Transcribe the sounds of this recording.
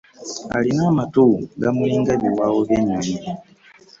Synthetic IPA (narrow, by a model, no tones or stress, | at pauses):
a̰linamatuɡamuiŋɡabiwawɔβɛɲɔni